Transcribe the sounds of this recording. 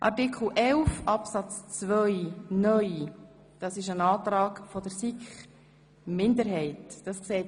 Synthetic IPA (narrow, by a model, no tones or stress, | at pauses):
ʔɑ̰rtikʰl̩ʔɛlfɑpsɑt͡st͡svʋœʏnœʏj | d̥ɑsɪʃənɑːtɾɑːkfɔd̥əɾsikχ | mɪndəɾɦɛɪtd̥ɑskseːt